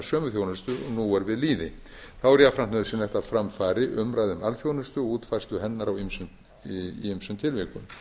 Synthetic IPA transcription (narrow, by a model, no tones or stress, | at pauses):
sœːmʏθjownʏst̪ʏɔnuɛɾvɪðliːðɪθawɛɾjafɾamt̪ʏðʏsɛmlɛht̪aðfɾamfaːɾɪʔʏmɾajðʏmalθjownʏst̪ʏɔɣuːt̪fajst̪ʏɦɛnːaɾawimsʏm | imsʏmt̪ʰɪlvikʏ̰m